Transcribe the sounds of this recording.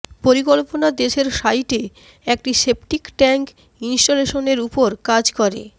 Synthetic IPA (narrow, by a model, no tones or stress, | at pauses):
poɾikolponad̪eʃeɾʃajʈe | ek̚ʈiʃepʈikʈɛŋk | insʈoleʃoneɾupoɾkad͡ʑkɔɾḛ